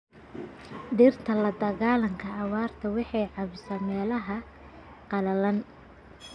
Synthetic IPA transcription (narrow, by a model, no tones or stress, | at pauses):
ɖiːrt̪ʰɐlɐd̪ɐɣaːlɐŋkʰɐːwaːrt̪ʰɐwɑħɑjʕɑβɪsaːmɛːlɐɦɐ | qɑlɐlɐn